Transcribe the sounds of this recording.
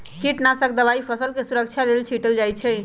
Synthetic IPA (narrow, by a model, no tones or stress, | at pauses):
kiʈnasək̚d̪əβaipʰəsəlkesuɾək̚t͡ʃʰalelt͡ʃʰiʈəld͡ʒajt͡ʃʰɛ